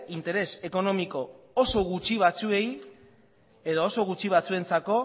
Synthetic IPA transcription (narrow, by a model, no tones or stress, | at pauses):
int̪e̞ɾe̞se̞ko̞no̞miko̞ | oso̞ɣ̞ut͡ʃiβ̞at͡sue̞j | e̞ðoːso̞ɣut͡ʃiβ̞at͡sue̞nt͡sako̞